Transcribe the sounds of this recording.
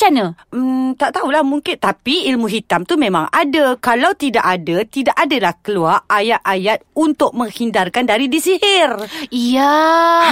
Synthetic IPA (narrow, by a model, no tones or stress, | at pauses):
t͡ʃanət̪aʔt̪aulahmuŋkɪnt̪apiilmuɦit̪amt̪umẽma̰ŋadakalawt̪idaʔadat̪idaʔadalahkəluarʔajat̪ʔajat̪̚unt̪ʊʔ̚mə̃ŋhindarkandaɾidisihɪrija